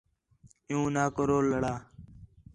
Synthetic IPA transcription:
ɪjũːnaːkəɾoːlːəɽaː

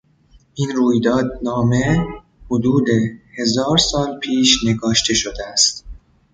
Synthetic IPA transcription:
ʔinɾuːjd̪ɒːd̪nɒːme̞ | hod̪uːd̪e̞he̞zɒːɾsɒːnpʰiːʃne̞ɡɒːʃt̪ʰe̞ʃod̪eæst̪

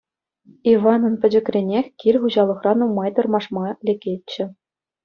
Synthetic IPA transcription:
iʋɑnɤ̆npʲɘ̆d͡ʑɘ̆krʲenʲexʲkʲirʲχuʑɑlˠɤ̆χrɑnumɑjt̪ɤ̆rmɑʂmɑlʲekʲet͡ɕːɘ̆

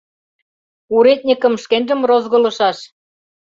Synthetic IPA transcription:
uɾet̪̚ʲnʲikə̆mʃkenʲʒə̆mrozɣɤ̆lɤ̆ʃɑʃ

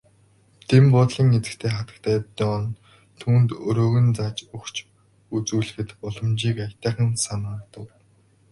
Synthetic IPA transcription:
t̪ʰempʊt̪ɮĭŋːet͡sɘ̥̆kt̪ʰeːχat̪ə̥̆kt̪ʰæːt̪ɔːn | t̪ʰuːnt̪ɵɾoːɣɵ̆nt͡saːt͡ɕɵkt͡ɕ | ut͡suːɮɘ̆xɘ̆t̪ʊɮɞ̆mt͡ɕiːkajt̪æːχə̆nsanaːrt̪ə̆w

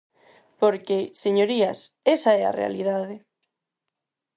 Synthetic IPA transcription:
poɾkeseɲoɾias | esaɛa̰rḛa̰liðað̞e

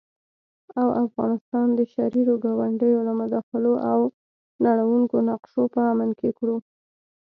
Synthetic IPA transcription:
awʔafɣɑnɪst̪ɑnd̪əʃaɾiɾoɡɑwaɳɖəjolamʊd̪ɑxɪloʔaw | naɽ̃awuŋkonaqʃopəamankekɽu

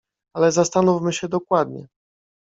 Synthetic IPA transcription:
alɛzast̪anufmɘɕɛd̪ɔkwad̪ɲɛ̰

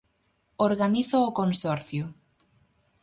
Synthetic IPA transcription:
oɾɣaniθʊːkonsɔɾθjo

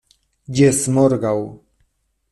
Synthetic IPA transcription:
ɟɛsmɔɾɡaw

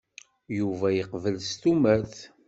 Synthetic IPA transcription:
juvæjəqvəlst̪umæθ

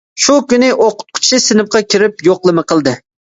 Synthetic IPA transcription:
ʃʊkʊnɪʔoqʊ̥t̪̚qʰʊ̥t͡ʃʰɪsɪnɪp̚qʰɑkʲʰɪɾɪp̚joqlˠɨmɪqʰɨlˠd̪ɪ

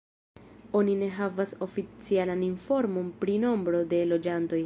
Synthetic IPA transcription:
o̞nine̞ɦavaso̞fit͡sialaninfo̞ɾmo̞npɾino̞mbɾo̞de̞lo̞d͡ʒanto̞j

